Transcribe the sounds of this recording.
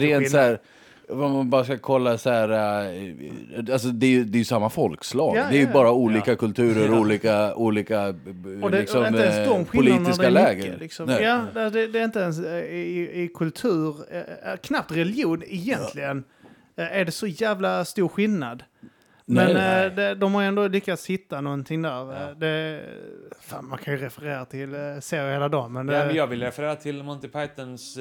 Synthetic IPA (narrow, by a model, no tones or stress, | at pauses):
ɾeːnt̪sæːɾ | vɔmanbɑːɾaskakʰɔlːasæɾ | als̬ɔd̪ɛæɾjɵd̪ɛjɵsamːafɔlkslɑːɡd̪ɛæɾjɵbɑːɾauːliːkakʰɵlt̪ʰʉ̟ːɾəɾuːliːkauːliːkaɔd̪ɛɪksɔmɛsd̪ɔmɧɪʊliːnɪsdkalɛːɡəlɪksɔmjɑːdasɔd̪ɛd̪ɛɾɪnt̪̬əɛnsɪɪɪkʰɵlt̪ʰʉ̟ːɾkʰnap̚t̪ɾɛlɪjuːnɪjɛnt̪ʰlɪɡən | æɖɛsɔjæːvlast̪uːɾɧɪlnad̪ | mɛnd̪ɛd̪ɔmhaɾjɛnd̪olʏkːat̪shɪt̪ːanɔnt̪ʰɪŋd̪æːɾd̪ɛ | fa̰ːnmankʰanjɵɾɛfəɾeːɾat̪ʰɪlseːɾjheːlad̪ɑːmɛnd̪ɛjɑːɡvɪlːəɾɛfəɾeːɾat̪ʰɪlmɔnt̪ɪpʰajt̪əns